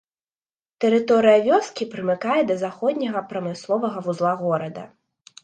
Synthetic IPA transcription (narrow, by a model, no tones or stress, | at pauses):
t̪ɛɾɨt̪ɔɾɨjɐvʲɔskʲipɾɨmɨkajɛd̪ɐzaxɔd̪ʲnʲɐɣɐpɾɐmɨslˠɔvɐɣɐvuzlˠaɣɔɾɐd̪ɐ̰